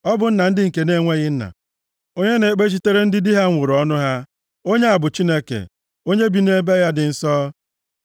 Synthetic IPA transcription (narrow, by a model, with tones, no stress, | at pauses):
ɔ˦bʊ˨n̩˦na˨n̩˦dɪ˦ŋ̩˨ke˨ne˦ŋʷe˦ɣɪ˦n̩˦na̰˨ | o˦ɲe˦ne˨k͡pe˦t͡ʃi˦te˦ɾe˦n̩˦dɪ˦di˦ɦa˦ŋʷʊ˨ɾɔ˦nʊ˦ɦa˦ | o˦ɲe˦a˨bʊ˨t͡ʃi˦ne˦kḛ˨ | o˦ɲe˦bi˨ne˦be˦ja˦dɪ˨n̩˦sɔː˦